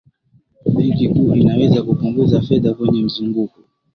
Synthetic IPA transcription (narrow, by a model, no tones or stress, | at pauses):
ɓiŋkikuinawɛzakupuŋɡuzafɛðakwɛɲɛm̩zuŋɡuku